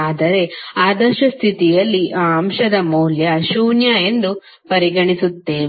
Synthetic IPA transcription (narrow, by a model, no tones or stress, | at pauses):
aːd̪ɐɾe̞aːd̪ɐʃɐst̪ʰit̪ijɐlːiʔaːɐmʃɐd̪ɐmuːljɐʃuːnjaːe̞nd̪u | pɐɾiɡɐɳisut̪ːe̞ː